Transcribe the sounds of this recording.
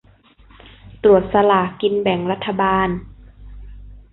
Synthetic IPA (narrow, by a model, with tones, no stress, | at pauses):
t̪ɾu˨˩ət̪̚sa˧laː˨˩˦ki˧nbɛ˨˩˦ŋɾa˦˥t̪ʰːa˧baː˧n